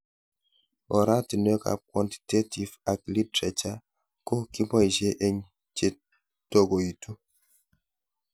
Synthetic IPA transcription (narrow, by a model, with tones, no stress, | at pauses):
ɔ˨ɾa˦ti˨no˦ka̰˨p̚kwɔ˨nti̥˨te˦ti˨va˨k̚li˦tɾɛ˨t͡ʃa˦ | ko˦ki˦bɔ˦i˨d͡ʒe˦ʔe˦ɲ | t͡ʃe˦ | to˦ɡo˨i˨tu˦